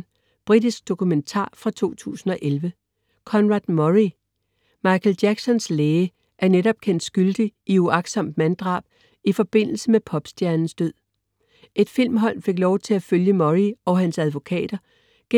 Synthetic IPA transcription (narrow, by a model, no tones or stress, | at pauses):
b̥ʁid̥isɡ̥̚d̥o̝kʰument͡sʰɑ̰̈ːfʁɑ̈t͡sʰo̝̰ːt͡sʰṵːsn̩ɒ̽ʔelʋə | kʰɒ̽nʁɑ̈d̥mɒʁi | mɑ̈ɪkʰeld̥æɡ̥sɒ̽nsleːə | ʔæɐneɾɒ̽b̥̚kʰen̰d̥sɡ̥yld̥iʔiuɑ̈ɡ̥sɒ̽m̰d̥mænd̥ʁɑ̰̈ːb̥̚ | ifɒ̽b̥e̝n̰l̩səmepʰɒ̽b̥sd̥jæɐnn̩sd̥øð̰ˠ | ʔe̝d̥fil̰mɦɒ̽l̰fe̝ɡ̥lɒʊt͡sʰe̝læføljəmɒʁiɒænsæðˠʋo̝kʰɛ̰ːd̥ɐ | ɡ̥e